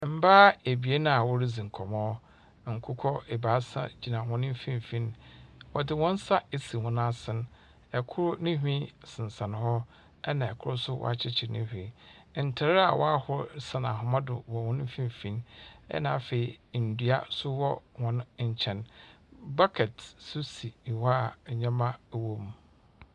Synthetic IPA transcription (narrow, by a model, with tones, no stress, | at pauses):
m̩˦baː˦e˨bi˨e˦nã˨a˨wɔ˦ɾi˦d͡zĩ˨ŋ̩˨kʰɔ˨mɔ̃˦ | ŋ̩˨kʰʊ˦kʰɔ˦e˨baː˨˦sã̰˦d͡ʑi˨nã˨hʊ̃˦nɪ̃˦m˦fĩ˦m˨fĩ˦nwɔ˨dɪ˦wɔ̃˦n̩˦sa˦e˨si˨hʊ̃˨n˦a˦sɪ̃˦n | ɛ˨kʰʊ˦ɾʊ˦nɪ̃˦ɦᶣĩ˦sɪ̃˨n˨sã˨n˨hɔ˦ | ɛ˦nã˨ɛ˨kʰʊ˦ɾʊ˦sʊ˦wʔɔ̰˦a˨t͡ɕʰɪ˦t͡ɕʰɪ˨nɪ̃˦hĩ˨ | n̩˨tʰa˨ɾa˨wʔɔ̰˦a˦hʊ˦ɾsã˨nã˨ɦʊ̃˨mã˦dʊ̰˨wɔ˨hʊ̃˦ñ˦fĩ˦m˨fĩ˦nɛ̰˦nãː˨fe˨i˨n̩˨dɥa̰˦sʊ˦wɔ˦hɔ̃˨n˨ɲ̩˨t͡ɕʰɛ̃˨n | ba˦kʰɛ˨tsʊ˦si˨wa˦˨ɲã˦mã˦˨wõ˦m